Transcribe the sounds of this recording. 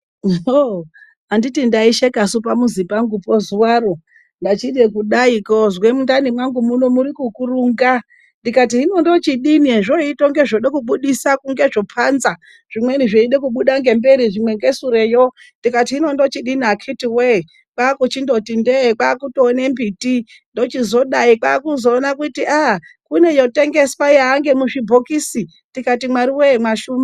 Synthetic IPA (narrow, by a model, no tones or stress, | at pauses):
o | anditindaiʃekasupamuzipaŋɡupozuwaɾo | ndat͡ʃiɗekuɗaikozwemundanimwaŋɡumuno̞muɾikukuruːŋɡa | ndikat̬iɦino̞ndo̞t͡ʃiɗinieʐoitoŋɡeʐoɗekuɓuɗisakuŋɡe̞ʐo̞pʰanza | ʐ̥imwe̞niʐeiɗekuɓuɗaŋɡe̞mbe̞ɾiʐimwe̞ŋɡe̞suɾejo | ndikatiːno̞ndo̞t͡ʃiɗiniakʰitiwe | kwaːkut͡ʃindo̞tindekaːkutoːne̞mbiti | ndo̞t͡ʃizo̞ɗaikaːkuzo̞ːnakutiʔakune̞jo̞te̞ŋɡe̞swajeaŋɡe̞muʐibʱokisi | ndikatimwaɾiwemwaʃuːma